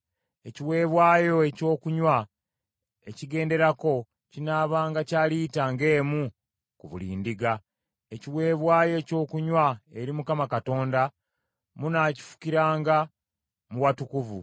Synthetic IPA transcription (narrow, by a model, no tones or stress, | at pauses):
e̞ciwe̞ːβwaːjo̞e̞co̞ːkuɲwa | e̞ciɡe̞ːnde̞ɾako̞ | cinaːβaːŋɡacaːliːtaŋɡe̞ːmu | kuβṵlḭːndiɡa | e̞ciwe̞ːβwaːjo̞co̞ːkuɲwaeɾimukamakato̞ːnda | munaːci̥fu̥kiɾaːŋɡa | muwatukuvṵ